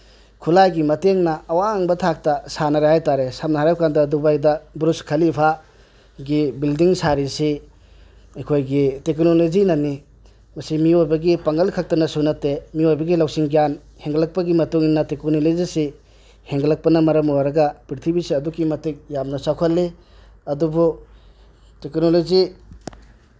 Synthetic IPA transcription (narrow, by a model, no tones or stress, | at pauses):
kʰulajɡimɐteŋnɐːwaːŋbɐtʰak̚tɐsanɐɾehajtaɾesap̚naɦaɾawkandɐdubajdɐbɾuskʰɐlipʰa | ɡibildiŋsaɾisi | ɐjkʰojɡiteknolod͡ʒinɐni | mɐsimiojbɐɡipaŋɡɐlkʰak̚tɐnɐsunɐtemiojbɐɡilawsiŋɡjan | heŋɡlak̚pɐɡimɐtuŋinːɐtekonolezisi | heŋɡlak̚pɐnɐmɐɾɐmowaɾɐɡɐpiɾtʰibisiɐdukimɐtek̚jamnɐsawkʰalːe | ɐdubu | teknolozi